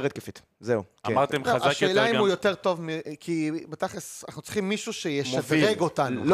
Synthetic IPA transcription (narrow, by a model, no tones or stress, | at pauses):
ʁet̚kefit̪ | zeuamaʁt̪emeazaakʃeːlaimujoteʁto̞vmikʰibetaχesanaχnut͡sli̥χimːiʃuʃejeʃazʁeɡotanul